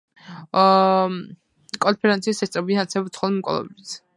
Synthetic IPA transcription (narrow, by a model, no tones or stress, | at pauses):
kʼɔnpʰɛɾɛ̃nt̪sisɛst̪ʼɾɛbianat̪sɛbɔsʰχɔlˠimkʼɔ̰lˠɔ̰bdit̪ʰ